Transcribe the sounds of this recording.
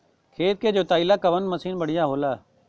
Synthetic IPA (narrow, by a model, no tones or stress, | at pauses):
kʰeːt̪̚keːd͡ʒoːt̪aːilaːkəʋənməsiːnbəɽ̤ɪjaːɦoːlaː